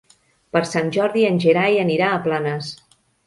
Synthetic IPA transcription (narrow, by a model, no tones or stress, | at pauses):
pəɾsanʲʒɔɾðiənʲʒəɾajəniɾaəplanəs